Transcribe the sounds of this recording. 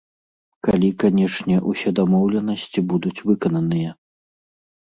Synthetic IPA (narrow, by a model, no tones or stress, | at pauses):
kalʲikanʲɛʂnʲɛʔusʲɛd̪amɔwlʲɛnɐsʲt͡sʲibud̪ut͡sʲvɨkɐnɐnɨjɐ